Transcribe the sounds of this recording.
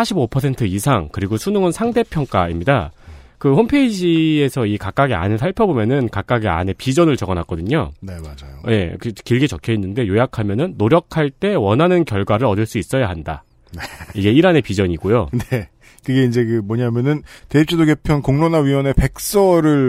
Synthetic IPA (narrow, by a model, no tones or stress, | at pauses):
sʰaɕʰibopʰʌsʰe̞ntʰɯisʰaŋkɯɾiɡosʰunuŋɯnsʰaŋde̞pʰjʌŋk͈aimɲida̰ | kɯhompʰe̞id͡ʑie̞sʰʌikak͈aɡia̰nɯɭsʰaɭpʰjʌbomjʌnɯnkak͈aɡia̰ne̞pid͡ʑʌnɯɭt͡ɕʌɡʌnak͈ʌdɯɲo̰ne̞mad͡ʑajoje̞̰kɯkiɭɡit͡ɕʌkʰjeinːɯnde̞jojakʰamjʌnɯnːoɾjʌkʰaɭt͈e̞wʌnɦanɯnkjʌɭɡwaɾɯɾʌdɯɭs͈uis͈ʌjaɦanda̰ | neiɡe̞iɾane̞pid͡ʑʌɲiɡojone | kɯɡe̞ind͡ʑe̞kɯmwʌɲamjʌnɯnteip̚t͡ɕ͈ʰidoɡepʰjʌnkoŋnonaɥiwʌne̞pe̞k̚s͈ʌɾɯɭ